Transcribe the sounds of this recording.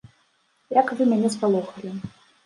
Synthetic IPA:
jakvɨmʲanʲɛspalˠuxɐlʲi

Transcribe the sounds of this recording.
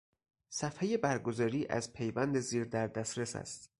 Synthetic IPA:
sæfhejebæɾɡo̞zɒːɾiːʔæ̰zpʰe̞jvænd̪eziːɾd̪æɾd̪æsɾesæ̰st̪

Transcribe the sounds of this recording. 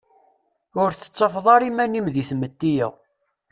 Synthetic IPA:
ʊɾθə̥t͡sˤːɑfðˤɑɾimænimðiθmət̪ːijə̰ʁ

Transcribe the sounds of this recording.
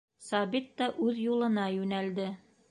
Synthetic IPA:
sɑbit̪ːɑʔʉðjulˠɤ̆nɑjʉnæld̪ɘ

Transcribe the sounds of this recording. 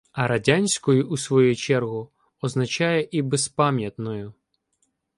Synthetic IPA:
ɐɾɐdʲanʲsʲkɔjʊusʋɔjut͡ʃɛrɦʊ | ɔznɐt͡ʃɑjɛʔibɛspɑmʲjɐt̪nɔjʊ

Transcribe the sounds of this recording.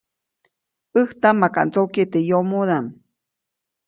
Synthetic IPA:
ʔɨht̪amːaka̰ʔnt͡soket̪ejomoðam

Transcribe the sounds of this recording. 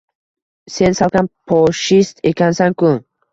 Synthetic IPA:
se̞nsalˠkʲʰanpʰɒʃist̪ekʲʰansaŋkʊ

